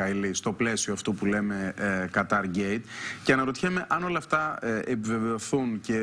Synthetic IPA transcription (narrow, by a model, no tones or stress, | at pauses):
ɐilist̪o̞ple̞sioɐft̪opule̞me̞kɐt̪ɐɾɟe̞jt̪ceɐnɐɾo̞t̪içeme̞ʔɐno̞lɐːft̪ɐepive̞ve̞o̞θunce